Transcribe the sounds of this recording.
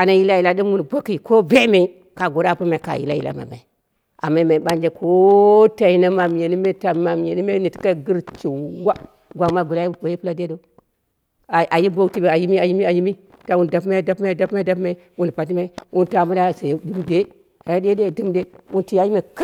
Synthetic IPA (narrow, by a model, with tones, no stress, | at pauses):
a˨na˨ji˦la˦ji˨la˦ɗi˦mwu˦n˨bo˦ki˦˨ko˦be˦me˨i˦ | ka˨ɡo˨ɾa˦˨pa˦ma˨ka̰˨jḭ˨la̰˦jḭ˨la̰˨ma̰˨ma̰˨i˨ | a̰˨ma˦i˦ma˨i˨ɓa˦nd͡ʒe˦kʰo˦ta˨ji˦na˦ma˨m˨je˨ni˦me˦ta˨˦ma˨m˨je˨ni˦me˦ni˨ti̥˦ka˦˨ɡi˦ɾt͡ʃi˨˦wa˦ | ɡʷa˨ma˦˨ɡo˨ɾa˦i˦o˨ji˦pu˦la˨de˦do˨˦˨ | ʔa˨ji˦bo˦ti˦be˨a˨ji˦mi˦a˨ji˦mi˦a˨ji˦mi˦ | ta˨wu˦n˨da˨pma˦˨da˦pma˦˨da˦pma˦da˦pma˨i˦wu˦n˨pa˨t̬i˦ma˦i˦wu˦n˨ta˨mu˦ɾa˦˨sa˨jdi˦mde˦ | a˨ja˦de˦e˦˨di˦mde˦wu˦nti˦ja˨˦ji˦ma˨k